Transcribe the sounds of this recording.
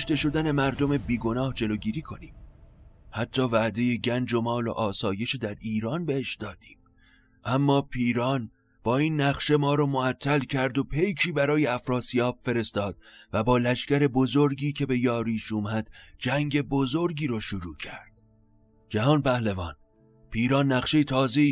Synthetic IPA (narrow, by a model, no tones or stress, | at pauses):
oʃt̪e̞ʃo̞d̪æne̞mæɾd̪o̞me̞biːɡo̞nɒːhd͡ʒe̞loːɡiːɾiːkʰo̞̰niːm | hæt̪ʰːɒːvæʔd̪e̞jeɟænd͡ʒomɒːlo̰ʔɒːsɒːje̞ʃid̪æɾiːɾɒːnbeheʃd̪ɒːd̪̥i̥ːm | ʔæmːɒːpʰiːɾɒːn | b̥ɒːiːnːæχʃe̞mɒːɾɒːmoæt̪ʰːælcʰæɾd̪o̞pʰe̞jkʰiːbæɾɒːjeæfɾɒːsijɒːbfe̞ɾe̞st̪ɒːd̪̥væbɒːlæʃcæɾe̞bo̞zo̞ɾɡiːcʰe̞be̞jɒːɾiːʃuːmæd̪̥d͡ʒæŋɟe̞bozoɾɡiːɾɒːʃoɾuːcʰæɾd̪̥ | d͡ʒæɦɒːnpæhlevɒːn | pʰiːɾɒːnːæχʃe̞jet̪ʰɒːze̞iː